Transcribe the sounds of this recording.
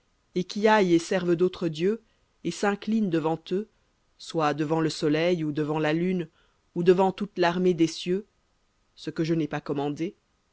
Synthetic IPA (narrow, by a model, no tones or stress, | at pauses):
ekʲiajesɛʁvd̪ot̪χəd̪jø | esɛ̃klind̪əvɑ̃t̪ø | swad̪əvɑ̃ləsɔlɛjud̪əvɑ̃lalyn | ud̪əvɑ̃t̪ut̪laʁmed̪esjø | səkəʒənɛpakɔmɑ̃d̪e